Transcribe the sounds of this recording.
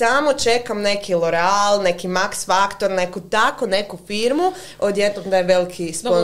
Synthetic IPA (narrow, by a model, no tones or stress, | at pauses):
amot͡ʃe̞kamne̞kʰilˠoɾealˠne̞kimaksfakt̪oɾne̞kut̪akone̞kufiɾmu | od̪jed̪nomd̪ajʋelikʰispo